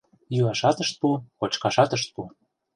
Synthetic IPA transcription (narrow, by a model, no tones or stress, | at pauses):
juɑʃɑt̪əʃt̪̚pukot͡ɕkɑʃɑt̪əʃt̪̚pu